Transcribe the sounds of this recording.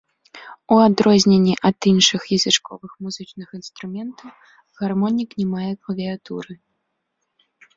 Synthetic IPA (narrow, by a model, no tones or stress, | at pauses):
uad̪ɾɔzʲnʲenʲːiʔɐd̪inʂɨxjɐzʲɨt͡ʂkɔvɨxmuzɨt͡ʂnɨxinst̪ɾumʲɛnt̪ʰɐw | ɣarmɔnʲiknʲɛmajɛklˠɐvʲɛat̪ṵɾɨ